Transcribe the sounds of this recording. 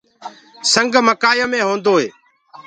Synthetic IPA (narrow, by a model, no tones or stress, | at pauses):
səŋɡməkaːjəmẽːɦõːnd̪oːɦeː